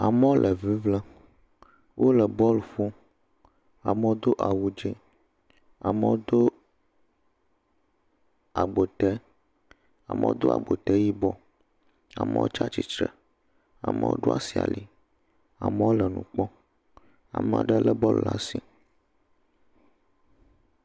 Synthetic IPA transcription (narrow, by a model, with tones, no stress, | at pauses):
a˨mɛ̃˦wo˦lʔə˨vi˦vlə˦ | wʔo˦lə˨bɔ˦lfu˦ | a˨me˦wo˦d̪o˦ʔa˨wu˦d͡ʒi˦ | a˨mə˦wo˦d̪o˦ | a˨ɡ͡bo˨t̪ɛ˦ | a˨mə̃˨˦o̰˦d̪o˦a̰˨ɡ͡bo˨t̪ɛ˦ji˦bɔ˦ | a̰˨mə̰̃˦wo̰˦t͡ʃa˦t͡ʃi˨t͡ʃɾə˨ | a˨mə̰˦wo̰˦ɖo˦a˦si˨a̰˨li˨ | a˨mə˦wo˦lə˨nṵ̃˨k͡pɔ˦ | a̰˨mə̃˨a̰˨ɖə˦lə˦bɔ˦lla˦si˨